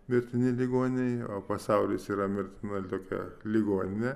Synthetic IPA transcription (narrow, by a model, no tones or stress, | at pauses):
mʲɪɾʲt̪ʲɪnʲɪlʲiɡoːnʲnʲɛɪoːpɐsɑʊlʲɪsiːɾɐmʲɪɾʲt̪ʲɪnɐt̪oːkʲɛ̰lʲɪɡoːnʲɪnʲɛ